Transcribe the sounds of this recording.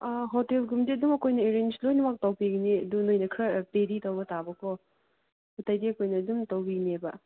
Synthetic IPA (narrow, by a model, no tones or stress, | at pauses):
ɦotelɡumdiɐdumɐkojnɐeɾent͡ʃlojnɐmak̚tɐwpiɡneɐdunojnɐkʰɾɐpeɾitɐwbɐtabɐkʰɔ | hutajdiɐkʰojnɐːdumtɐwbinebɐ